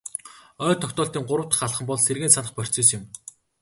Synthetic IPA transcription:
œːt̪ʰːɔkʲt̪ʊːɬt̪iːŋɢʊɾə̆wt̪ə̥̆χaɮχə̆mpɔɮserɣeːnsanə̆χpœr̥ʲt͡seːsɪ̆m

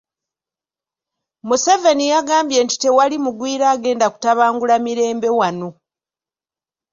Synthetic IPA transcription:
musevenijaɡaːmbje̞nti̥te̞walimuɡwiːɾaːɡe̞ːndaku̥taβaːŋɡulamiɾe̞ːmbe̞wano̞

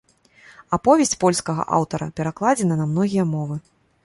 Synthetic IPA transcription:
apɔvʲɛsʲt͡sʲpɔlʲskɐɣɐ̰ʔa̰wt̪ɐɾɐ̰pʲɛɾaklˠad͡zʲɛnɐnɐmn̪ɔɣʲijɐmɔvɨ

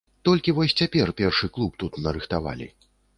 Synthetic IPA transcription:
t̪ɔlʲkʲivɔsʲt͡sʲapʲɛrpʲɛrʂɨklˠup̚t̪ut̪nɐɾɨxt̪ava̰lʲḭ

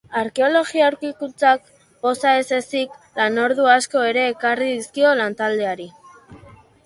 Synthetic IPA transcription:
aɾke̞o̞lo̞ɣiauwɾkikunt͡sak̚ | bo̞saese̞siklano̞ɾðuasko̞e̞ɾe̞ːkariðiskio̞lant̪ald̪e̞aɾi

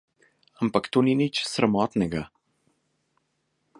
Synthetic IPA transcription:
ampakt̪oːninit͡ʃsɾamɔːt̪nɛɡa

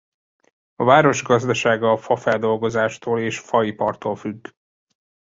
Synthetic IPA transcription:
ɒvaːɾo̞ʒɡɒzd̪ɒʃaːɡɒːfɒfɛld̪o̞lɡo̞zaːʃt̪oːleːʃfɒipɒrt̪oːlfyɡː

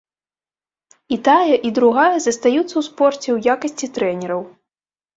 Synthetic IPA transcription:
it̪ajɐʔid̪ɾuɣajɐzɐst̪ajut̪sɐwspɔrt͡sʲɛwjakɐsʲt͡sʲit̪ɾɛnʲɛɾɐw

